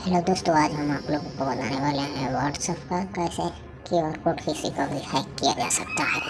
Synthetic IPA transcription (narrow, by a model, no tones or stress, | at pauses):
lod̪ʊst̪oaːd͡ʒɦɐmaːploːɡõkobɐd̪a̰ːneʋaːleɦɛ̃ʋəɾɖsɔːpʰkakɛːse | kiɔːɾkoːʈkisikabihatkija̰d͡ʒa̰sɐk̚t̪aɦɛ̰ː